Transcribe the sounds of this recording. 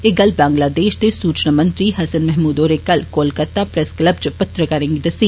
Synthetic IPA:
eɡɐlbãːŋɡlaːd̪eːʃd̪esuːt͡ʃnamɐ̃nt̪ɾiɦɐsənmɛɦmuːd̪oːɾekɐlkoːlkɐɾt̪apɾɛskləbt͡ʃpɐt̪ɾəkɐɾẽːŋɡed̪ɐsiː

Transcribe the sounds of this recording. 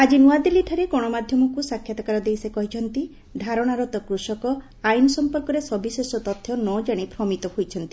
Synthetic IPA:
ad͡ʒinuad̪iliʈʰɔɾekɔɽ̃ɔmad̪ʱjɔmɔkusakʰːjat̪ɔkaɾɔd̪ejsekɔɦit͡ʃʰɔnt̪i | ɖʱaɾɔɽ̃aɾɔt̪ɔkɾusɔkɔ | ajnɔsɔmpɔɾkɔɾesɔbisesɔt̪ɔt̪ʰːjɔnɔd͡ʒaɽ̃epɾɔmit̪ɔhojt͡ʃʰɔnt̪i̥

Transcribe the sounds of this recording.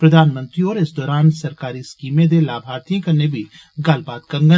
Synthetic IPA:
pɾɐd̪ʱaːnmə̃nt̪ɾiɔːɾɪsd̪ɔːɾaːnsɐɾkaːɾiskiːmẽd̪elaːbʱaːɾt̪ijãkɐɾnebʱi | ɡɐlbaːd̪kɐŋɡə

